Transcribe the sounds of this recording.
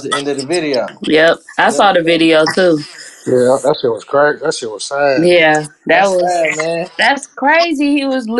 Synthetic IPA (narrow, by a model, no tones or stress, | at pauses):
ɪ̃ntɨðɨvɪɾioʊjɛp̚aɪsɔðɨvɪɾioʊtʰujæðæst̚wʌz̥kʰɹ̥eɪt̚ðætsiwʌz̥sæjæðɨt̚wʌzmæðætskʰɹ̥eɪziiwʌzl